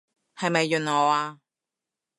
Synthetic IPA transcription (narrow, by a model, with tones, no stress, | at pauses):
hɐ˨jmɐ˨jːɵ˨nŋɔː˨˧aː˧